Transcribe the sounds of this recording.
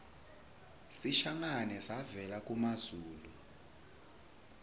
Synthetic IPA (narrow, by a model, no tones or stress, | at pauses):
siʃaŋanɛsavɛlak̬ʼumazuːlu